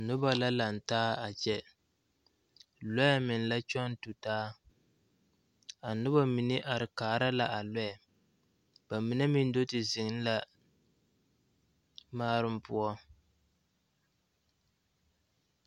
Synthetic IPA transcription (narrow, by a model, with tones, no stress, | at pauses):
nʊ˦ba˦la˦la˨n̩˨taː˦a˨t͡ʃɛ˦ | lɔ˦ja˦mɪ˨n˨la˦t͡ʃɔ˦n˦tu˨taː˦ | a˨nʊ˦ba˦mi˨nɪ˦ʔa˨ɾɪ˨kaː˨˦ɾa˦la˨ʔa˨lɔ˦ɛ˨ | ba˨mɨ˨nɛ˦mi˦n˦do˦tɪ˨zɪ˨ŋ˦n˦la˦ | maː˦ɾɨ˦mpʊ˦ɔ˦